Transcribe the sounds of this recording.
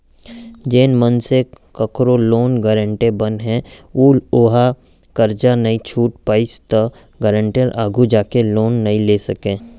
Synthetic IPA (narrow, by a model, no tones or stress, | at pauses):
d͡ʒeːnmənsekəkɾoloːnɡəɾə̃ɳʈebənɦɛ̃uːloːɦa | kəɾd͡ʒanɐĩt͡ʃʰuːʈ̚paːɪst̪ə | ɡəɾə̃ɳʈəɾʔaːɡʱud͡ʒaːkeloːnːɐĩleːsɐkẽː